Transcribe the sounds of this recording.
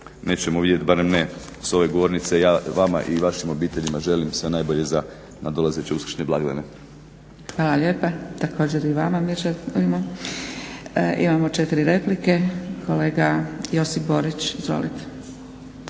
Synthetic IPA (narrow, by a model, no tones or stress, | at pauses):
neːt͡ɕemoʋid̪je̞t̪baɾemneso̞ʋeɡoʋo̞ɾnit̪sejaːʋama̰ʔiʋaʃimo̞biːt̪e̞ʎimaʒe̞limsʋe̞najbo̞ʎe̞za | nad̪olˠazet͡ɕeuskɾʃɲeblˠaɡlene | xʋaːlaʎe̞ːpat̪ako̞ːd͡ʑe̞ɾiʋamamiɾʒaumo | ʔḭmamo̞t͡ʃe̞t̪iɾiɾe̞plike̞kʰo̞le̞ːɡajo̞sipbo̞ɾit͡ɕizʋo̰lit̪e̥